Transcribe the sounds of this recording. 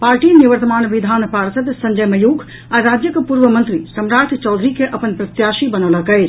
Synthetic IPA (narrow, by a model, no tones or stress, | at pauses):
paɾʈiniʋəɾt̪əmanʋid̪ʱanpaɾsəd̪səɲd͡ʒəjməjuɡʱ | aɾad͡ʒjəkepuɾʋəmənt̪ɾisəmɾaʈ̪ʰt͡ʃɔd̪ʱɾikeʔəpənpɾət̪jaʃibənɔləkəɪt͡ʃʰ